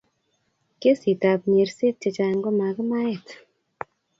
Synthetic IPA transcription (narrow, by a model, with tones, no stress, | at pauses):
ke˦si˨ta˨pɲe˨ɾse˦t̚t͡ʃe˧t͡ʃa˨ŋɡɔ˦ma˨kɨ˦ma˦e˦˨t